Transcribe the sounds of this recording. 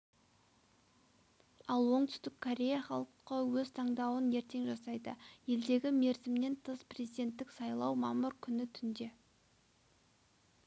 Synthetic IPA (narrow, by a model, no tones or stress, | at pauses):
ɑlˠwo̞ɴt̪ʰʏ̥st̪ɪkʰːoɾʲe̞jaχɑlˠəqːəwɵzt̪ʰɑɴd̪ɑwəne̞ɾt̪e̞ŋʒɑsɑjd̪ə̰je̞ld̪e̞ɡʲɪme̞ɾzɪmne̞nt̪ʰəzprʲezijd̪e̞nt̪ːɪksɑjlˠɑwmɑmʊɾkʲʰʏnɪt̪ʰʏnd̪e̞